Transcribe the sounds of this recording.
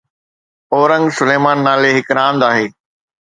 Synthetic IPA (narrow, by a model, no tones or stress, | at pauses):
ɔːɾə̃ŋɡsʊleːmaːnːaːleɦɪkɾãːnd̪aːɦeː